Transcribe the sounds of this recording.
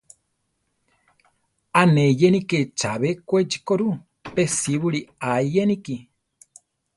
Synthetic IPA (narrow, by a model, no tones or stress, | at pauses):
anejeniket͡ʃaβekʷed͡ʒikoɾu | pesiβuɾiaijeniki